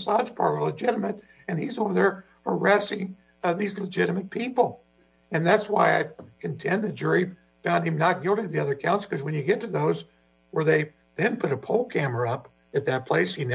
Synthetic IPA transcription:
sɑ̥d͡ʒpʰɑ̰ɹɾələd͡ʒɪɾəmɨɾ | ɨ̃nizɔɹðə˞ | hə˞æsɪ̃ŋ | ðizləd͡ʒɪɾɨmɨt̚pʰipl̩ˠ | ɨ̃nðætswaɪaɪkʰɨ̃n̩tʰɛ̃nðɨt̚d͡ʒʊɹi | fãʊ̃nd̚ɨ̃mnət̚ɡ̥ɪlˠtiʌvðiʌðə˞kʰãʊ̃nskʰʌzwɨ̃njɨɡɛtʰɨðoʊz | wə˞ðeɪ | ðɨ̃npʰʊɾɨpʰoʊlˠkʰæmə˞ʌp | ɨt̪̚ðɨt̚pʰl̥eɪshin

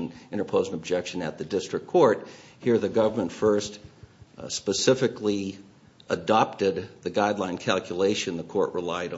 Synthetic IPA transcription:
nɪ̃ɾ̃ə˞pʰoʊzɪ̃ŋəb̚d͡ʒɛkʃɨ̃nɨ̰t̪̚ðɨdɪstɹ̥ɨkʰɔɹt̚hiɹðɨɡʌvə˞mə̃ntfɜ˞st | spɨsɪfɨkli | ədɑp̚tɪd̪̚ðɨɡaɪdˡlãɪ̃nkʰælˠkʰjəleɪʃɨ̃nðəkʰɔɹʔɹəlaɪɾ

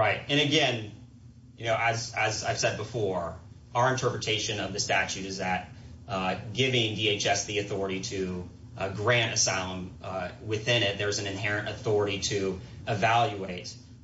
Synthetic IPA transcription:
ɹaɪt̚ɨ̃ñɨɡɛ̃n | jɨnoʊʔɨzɨza̰ɪv̥sɛd̚bəfɔɹ | aʊə˞ɨ̃ntʰɜ˞pɹɨtʰeɪʃɨ̃nʌvðɨstæt͡ʃʉɾɨzðɨt̚ | ɡ̥ɪvɪ̃ŋdieɪt͡ʃɛsðiɨθɔɹəɾiɾɨ | ɡɹæ̃ntɨsaɪlˠə̃mwɪθɪ̃ñɪt̪̚ðə˞zɨ̃n̩ɨ̃nɦɛɹɨ̃ntɨθɔɹəɾiɾɨ | ɨvælˠjʉeɪt̚

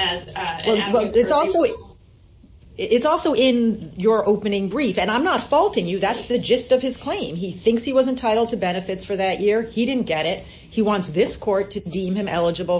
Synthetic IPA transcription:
wɛlˠwɛlˠɨtsɔlˠsoʊ | ɪtsɔlˠsoʊʔɪ̃njə˞ʔoʊpɨnɪ̃ŋbɹifɨ̃nãɪ̃mnətfɔlˠtɪ̃ŋjɨðætsðɨd͡ʒɨstʌv̥ɨz̥kʰl̥ẽɪ̃miθɪ̃ŋkshiwʌzɨ̃ntʰaɪɾl̩ˠd̚tʰɨbɛɾnɨfɨtsfə˞ðɨʔjʔɪɹiɾɪdⁿn̩ɡ̥ɛɾɪt̚ | hiwɑ̃ntsðɪskʰɔɹtʰɨdĩmɨ̃mɛ̰lˠəd͡ʒɨbl̩ˠ

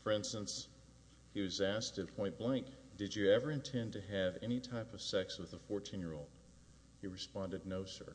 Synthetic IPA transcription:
fə˞ɪ̃nstə̃ns | hiwʌzæs̚tʰɨpʰɔ̃ɪ̃nb̥læ̃ŋkd̥ɨd͡ʒɨɛvə˞ɨ̃ntʰɛ̃ntɨɨvɛnitʰaɪpʌv̥sɛkswəðəfɔɹtʰĩnjə˞oʊlˠd | hiɹɨspɑ̃ndɨdⁿnoʊsɜ̰˞

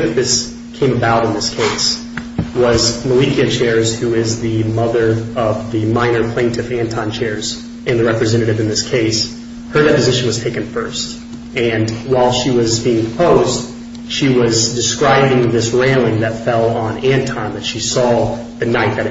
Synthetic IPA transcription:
ɨf̚ðɪs | kʰẽɪ̃məbaʊɾɨ̃nðɪskʰeɪs | wʌzməlikiɨt͡ʃʰɛɹz̥huɪzðɨmʌðə˞ʌvðɨmãɪ̃nə˞pʰl̥ẽɪ̃ntʰɨvæ̃ntʰɑ̃nt͡ʃʰɛɹz̥ | ɨ̃nðɨɹɛpɹɨzɛ̃ɾ̃ɨɾɨvɨ̃nðɪskʰeɪs | hə˞dɛpɨzɪʃɨ̃n̩wʌz̥tʰeɪkɨ̃n̩fɜ˞st | ɨ̃nwaɪlˠʃiwʌzbiɪ̃ŋpʰəm̩pʰoʊzd | ʃiwʌzdɨskɹaɪbɪ̃ŋðɪsɹæ̃lˠɪ̃ŋðɨtfɛlˠə̃næ̃ntʰɑ̃nðɨtʃisɔ | ðɨnaɪt̪̚ðɨɾ

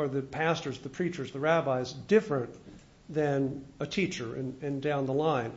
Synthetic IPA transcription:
ə˞ðɨpʰæstə˞zðɨpʰɹ̥it͡ʃə˞zðɨɹæbaɪzdɪfɹə̃n | ðɨ̃nɨtʰit͡ʃə˞ɨ̃nɨ̃ndãʊ̃nðəlãɪ̃n

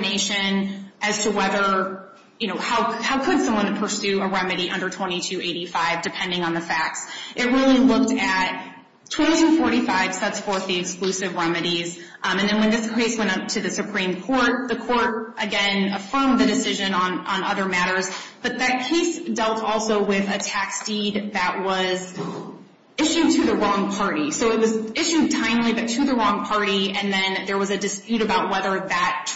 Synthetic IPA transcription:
neɪʃɨ̃nʔɨz̥tʰəwɛðə˞ | jɨñoʊhaʊhaʊkʰɨdsʌ̃mwʌ̃npʰə˞sʉɨɹɛmɨɾiʔʌ̰̃ndə˞tʰw̥ɛ̃ɾ̃itʰʉʔeɪɾifaɪvdɨpʰɛ̃ndɪ̃ŋə̃nðɨfæk̚tsʔɨt̚ɹɪlˠilʊk̚tɨt̚ | tʰw̥ɛ̃ɾ̃itʰʉfɔɹɾifaɪv̥sɛtsfɔɹθðiɨksklʉsɨvɹɛmɨɾiz | ɨ̃nðɨ̃nwɨ̃nðɪskʰeɪswɛ̃ɾ̃ʌp̚tʰɨðɨsɨpʰɹ̥ĩmkʰɔɹt̪̚ðɨkʰɔɹɾʔɨɡɛ̃nəfɜ̃˞mðɨdɨsɪʒɨ̃nə̃nə̃nʌðə˞mæɾə˞zb̥ʌt̪̚ðɨt̚kʰeɪsd̥ɛlˠtʰɔlˠsoʊwɪðɨtʰæksd̥id̪ðɨʔwʌz | ɪʃʉd̚tʰɨðɨɹɔ̃ŋpʰɑɹɾisoʊɨt̚wʌzɪʃʉd̚tʰãɪ̃mlibʌtʰɨðɨɹɔ̃ŋpʰɑɹɾiɨ̃nðɨ̃nðə˞wʌzɨdɨspjʉɾɨbaʊt̚wɛðə˞ðɨt

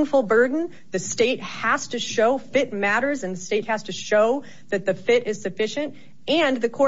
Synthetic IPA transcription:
nfl̩ˠbɜ˞dⁿn̩ | ðɨsteɪt̚hæstɨʃoʊfɪt̚mæɾə˞zɨ̃nðɨsteɪt̚hɨz̥tʰɨʃoʊ | ðɨt̪̚ðɨfɪɾɨz̥sɨfɪʃɨ̃nt̚ | ɨ̃nðɨkʰɔ

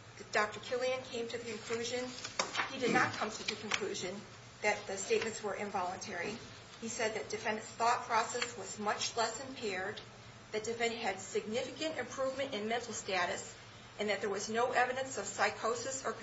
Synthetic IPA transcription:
d̥ɑk̚tə˞kʰɪlˠiɨ̃nkʰẽɪ̃mtʰɨðɨkɨ̃nkʰl̥ʉʒɨ̃nidɨdⁿnət̚kʰʌ̃mtʰɨðɨkʰɨ̃nkʰl̥ʉʒɨ̃n | ðɨt̪̚ðɨsteɪt̚mɨ̃ntswə˞ʔɨ̃ɱvɑlˠə̃ntʰɛɹi | isɛd̪̚ðɨt̚d̥ɨfɛ̃ndɨ̃nθɔt̚pʰɹ̥ɔsɛswʌzmʌt͡ʃlɛsɨ̃mpʰɛɹd̪̚ | ðɨt̚d̥ɨfɛ̃nɨɨdsɨɡ̚nɪfɨkɨ̃ntɨ̃mpʰɹ̥uvmɨ̃ɾ̃ɨ̃nmɛ̃ntˡl̩ˠstæɾɨs | ɨ̃nðɨt̪̚ðə˞wʌznoʊʔɛvɨɾɨ̃nsʌv̥saɪkʰoʊsɨsə˞

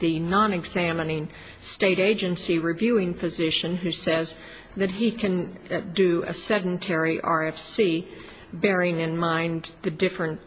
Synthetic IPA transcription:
ðɨnɑ̃nɨɡz̥æmɨnɪ̃ŋ | steɪɾeɪd͡ʒɨ̃nsiɹivjʉɪ̃ŋfɨzɪʃɨ̃nɦʉsɛz | ðɨt̚ɦikʰɨ̃ndɨɨ̰sɛdⁿn̩tʰɛɹiʔɑɹɛfsi | bɛɹɪ̃ŋɨ̃nmãɪ̃nðɨdɪfɹɨ̃nt̚

